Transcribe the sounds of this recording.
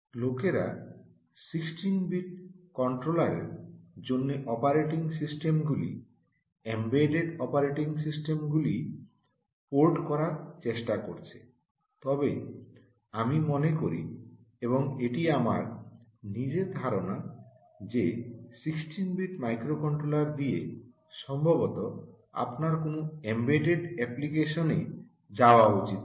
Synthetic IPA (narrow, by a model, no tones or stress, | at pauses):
lokeɾa̰ | siksʈinbiʈ̚kɔɳʈɾolaɾḛɾd͡ʑonːeʔɔpaɾeʈiŋsisʈemɡulḭ | embeɖeɖɔpaɾeʈiŋsisʈemɡuli | poɾʈkɔɾaɾt͡ɕeʃʈakoɾt͡ɕʰe̥ | t̪ɔbe | amimonekoɾḭ | eboŋeʈiama̰ɾnid͡ʑed̪ʱaɾona | d͡ʑesiksʈinbiʈmajkɾokɔɳʈɾolaɾd̪ie | ʃɔmbʱobot̪o | a̰pnaɾkonoembeʈeɖɛplikeʃone | d͡ʑaoaut͡ɕit̪̚